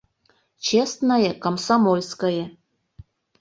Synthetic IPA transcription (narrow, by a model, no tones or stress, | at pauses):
t͡ɕest̪nəjekomsɑmolʲskəjĕ